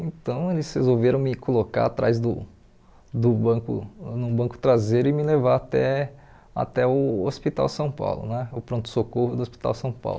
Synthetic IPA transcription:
ẽt̪ɐ̃w̃elɪshezowveɾɐ̃w̃mɪkoloka̰ɾat̪ɾa̰jzd̪ʊ | d̪ʊbɐ̃kʊ̰nʊbɐ̃kʊ̥t̪ɾazeɾʊɪmɪlevaat̪ɛ | a̰t̪ɛʊospit̪a̰wsɐ̃w̃pa̰wlʊ̰nɛʊpɾõt̪ʊ̥sokohʊd̪ʊospi̥t̪a̰wsɐ̃w̃pa̰wlʊ

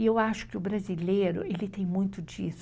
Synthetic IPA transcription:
ɪewaʃʊ̥kɪʊbɾazileɾʊ̰elɪt̪ẽj̃mũj̃t̪ʊd͡ʒḭs

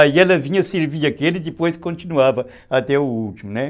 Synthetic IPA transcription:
aiɛlɐvĩɲɐseɾviɐkelid̪ɪpojskõnt̪inuavɐ | at̪ɛuult̪imʊnɛ

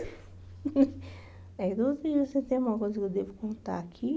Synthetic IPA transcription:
ɛid̪õseoset̪ẽj̃ɐ̃ɡũmɐkojzɐkewd̪evʊkõt̪a̰akʰi

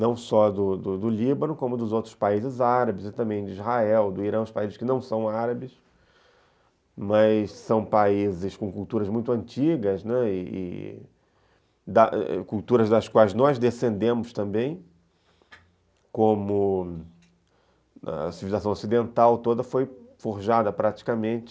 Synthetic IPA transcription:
nɐ̃w̃sɔd̪ʊd̪ʊd̪ʊlibɐ̃nʊkõmʊd̪ʊzowt̪ɾʊspaizɪzaɾɐbɪzɪt̪ɐ̃mbẽj̃d͡ʒɪizhaɛwd̪ʊiɾɐ̃w̃ʊspaizɪskɪnɐ̃w̃sɐ̃w̃aɾɐbɪs | mɐssɐ̃w̃paizɪskõkult̪uɾɐzmũj̃t̪ʊɐ̃nt͡ʃiɡɐznɛɪɪ̰ | d̪ɐ̰kuwt̪uɾɐzd̪ɐskwajznɔzd̪esẽnd̪ẽmʊst̪ɐ̃mbẽj̃ | kõmʊ | ɐ̰sivilizasɐ̃w̃osid̪ẽnt̪awt̪od̪ɐfojfoɾʒad̪ɐpɾat͡ʃi̥kɐmẽnt͡ʃɪ̥

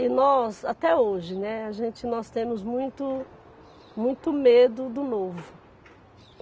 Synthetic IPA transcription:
ɪnɔsat̪ɛoʒɪnɛaʒẽnt͡ʃɪnɔst̪ẽmʊzmũj̃t̪ʊ | mũj̃t̪ʊmed̪ʊd̪ʊnovʊ

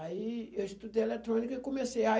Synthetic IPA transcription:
aiewist̪ud̪ejelet̪ɾõnikɐikõmeseja

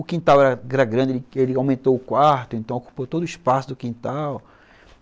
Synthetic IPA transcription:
ʊkĩnt̪awɛɾɐɡɛɾɐɡɾɐ̃d͡ʒɪelɪelɪawmẽnt̪owʊkwaɾt̪ʊẽnt̪ɐ̃w̃oku̥pot̪od̪ʊispasʊd̪ʊkĩnt̪aw

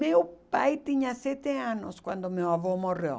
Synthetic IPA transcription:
mewpajt̪iɲasɛt̪eãnoskwã̰nd̪omewavomoro̰

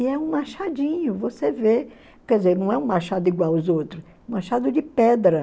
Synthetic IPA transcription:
ɪɛũmaʃad͡ʒĩɲʊvoseve | kɛd͡ʒɪzeɾnɐ̃w̃ɛũmaʃad̪ʊiɡwawʊzowt̪ɾʊs | ũmaʃad̪ʊd͡ʒɪpɛd̪ɾɐ

